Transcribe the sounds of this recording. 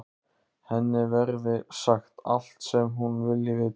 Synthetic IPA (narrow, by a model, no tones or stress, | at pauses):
hɛnːɪvɛɾðɪsaxt̪a̰l̥t̪sɛmɦunvɪlːɪvɪ